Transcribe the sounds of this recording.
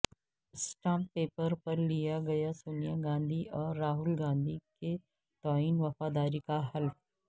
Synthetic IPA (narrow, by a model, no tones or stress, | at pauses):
sʈãːmpeːpəɾpɐɾlijaɡɐjasuːnijaɡãːnd̪ʱiʔɔːɾːaːɦʊlɡãːnd̪ʱike | t̪aːiːnʋɐfaːd̪aːɾikaɦɐlf